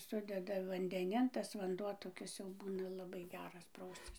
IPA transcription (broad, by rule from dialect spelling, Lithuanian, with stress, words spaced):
ˈsʊdʲɛdɐ ʋɐnʲdʲɛˈnʲɪn tɐs ʋɐnˈduɔ toːˈkʲɪs jɛʊ ˈbuːnɐ lˠɐˈbɐɪ ˈɡʲæːrɐs ˈprɐʊsʲt͡sʲɪs